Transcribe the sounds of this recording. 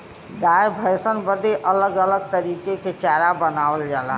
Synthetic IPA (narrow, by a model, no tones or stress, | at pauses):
d̪ajbʱəjsənbəd̪eʔələɡələɡ̚t̪əɾikeket͡ʃaɾabənaʋəld͡ʒala̰ɦ